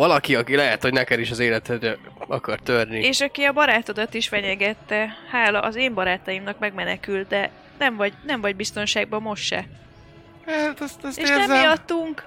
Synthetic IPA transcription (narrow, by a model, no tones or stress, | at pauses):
ɒlɒkiɒkilɛɦɛt̪ho̞ɟnɛkɛd̪iʃɒzeːlɛt̪ɛrɛɒ̰kɒrt̪ørnieːʃɒkiɒbɒɾaːt̪od̪ot̪iʃfɛɲɛɡɛt̪ːɛhaːlɒʔɒzeːmbɒɾaːt̪ɒjimnɒkmɛɡmɛnɛkylt̪̚d̪ɛ | nɛɱvɒɟnɛɱmvɒɟbist̪o̞nʃaːɡ̚bɒmo̞ʃtʃɛ̰ | t̪ɛst̪ɛseːʃnzjɒt̪ːuŋk